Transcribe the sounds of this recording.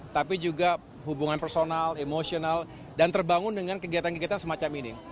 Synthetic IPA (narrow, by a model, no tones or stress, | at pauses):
t̪apid͡ʒuɡa | hubuŋanpərsonalemosional | dant̪ərbaŋʊndəŋankəɡiat̪ankəɡiat̪ansəmat͡ʃamini